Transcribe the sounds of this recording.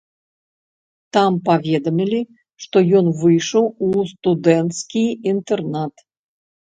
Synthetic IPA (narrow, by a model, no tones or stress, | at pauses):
t̪ampavʲɛd̪ɐmʲilʲi | ʂt̪ɔjɔnvɨjʂɔwust̪ud̪ɛnt̪skʲijint̪ɛrnat̪